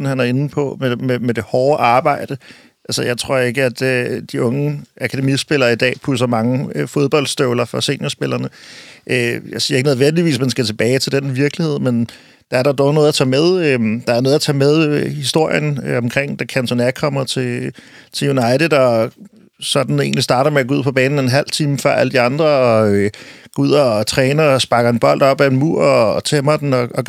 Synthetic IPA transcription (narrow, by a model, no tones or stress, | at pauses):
n̩hænæɐe̝nn̩pʰɒ̽mememed̥ehɒːʔɑ̈ːb̥ɑ̈ɪ̰d̥ə | ælsəjɑ̈ɪt͡sʰʁo̝ɐ̰e̝ɡ̥əæd̥ød̥iʔɔ̽ŋəʔækʰæd̥emisb̥e̝lɐːid̥ɛ̰ːpʰus̬ɐmɑ̈ŋəfo̝ð̞ˠb̥ɒ̽l̰d̥sd̥øʊlɐfɒ̽se̝ːnɐsb̥e̝l̰ʔɐnəʔøjɑɪsiːɐeɡəneð̞ˠʋen̰d̥iʋḭːs̬mænsɡ̥æt͡sʰe̝b̥ɛːɪt͡sʰe̝ld̥enʋiɐɡ̥lihe̝ð̞̰ˠmen | d̥ɑ̈æɐɾ̥ɑ̈d̥ɒʊno̽ːð̩ˠɐt͡sʰɛ̰ːmeð̞ˠømd̥ɑ̈æɐno̽ːð̞̩ˠæt͡sʰɛ̰ːmeð̞ˠhisd̥o̝ɐ̰jənɒ̽mkʰʁeŋ̰d̥ækʰænsʰɒnæ̥kʰɒ̽m̰ɐt͡sʰe̝t͡sʰe̝junɑ̈ɪt͡sðˠd̥ɒ | sɒ̽d̥n̩e̝̰ːnlisd̥ɑ̈ːɾɐmeæɡ̥ɔuð̰ˠpʰɒ̽b̥ɛːnn̩enɦæl̰t͡sʰiːməfɶ̰ɐ̰ʔæləd̥iɑ̈nd̥ʁɐɒ̽øɡ̥ɔuð̰ˠɒt͡sʰʁɛːnɐɒsb̥ɑ̈ɡ̥ɐe̝nb̥ɒ̽l̰d̥ɒ̽b̥æe̝nmuɐ̰ɒt͡sʰemɐd̥n̩ɒ̽ɒ